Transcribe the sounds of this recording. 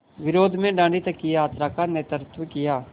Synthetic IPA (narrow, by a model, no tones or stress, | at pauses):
ʋɪɾoːd̪ʱmẽɖãːɳɖit̪ɐkːijaːt̪ɾaːkaneːt̪ɾɪt̪ʋəkɪjaː